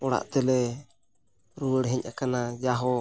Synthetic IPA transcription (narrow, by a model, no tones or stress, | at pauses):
ɔɽa̰ʔt̪ɛlɛ | ɾuwəɽɦɛɲʔakanad͡ʒaɦɔ